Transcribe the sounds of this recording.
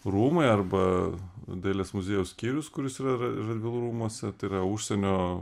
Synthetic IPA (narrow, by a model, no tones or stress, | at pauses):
ruːmɐɪɐrbɐ | d̪ʲeːlʲeːsmʊzʲeːjɛʊssʲkʲiːɾʲʊskʊɾʲʊsiːɾɐrɐd̪ʲʋʲɪlˠuɾuːmuɔsʲɛt̪ɐɪɪɾɐʊʃʲsʲɛnʲoː